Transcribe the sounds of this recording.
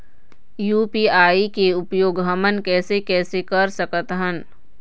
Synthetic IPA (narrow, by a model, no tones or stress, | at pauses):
juːpiːaːikeʊpjoːɡɦɐmənkɛːsekɛːsekɐɾsəkət̪ɦən